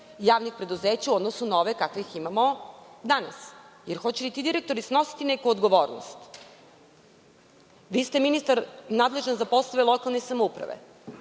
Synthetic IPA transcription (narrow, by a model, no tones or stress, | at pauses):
jaːʋnixpɾe̞d̪uzeːt͡ɕauod̪nosunoʋekakʋeiximamod̪ana̰sjeɾxo̞t͡ɕelit̪id̪iɾek̚t̪o̞ɾisno̞si̥t̪inekuod̪ɡo̞ʋo̞ːɾno̰st̪ | ʋiːst̪eminist̪aɾnaːd̪le̞ʒanzapo̞slˠoʋelˠokalˠnesamoupɾa̰ʋḛ